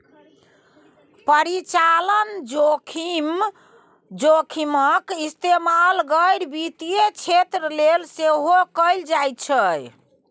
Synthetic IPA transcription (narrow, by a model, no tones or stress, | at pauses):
pəɾit͡ʃalənd͡ʒokʰim | d͡ʒokʰiməkist̪emalɡəjɾbit̪ijet͡ʃʰet̪ɾəlelseɦokəjld͡ʒajt̪t͡ʃʰəj